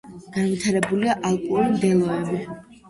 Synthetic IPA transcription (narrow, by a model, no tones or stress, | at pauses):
ɡ̥anvit̪ʰaɾɛbuliaʔalˠkʼɔulmd̪ɛlˠɔɛbi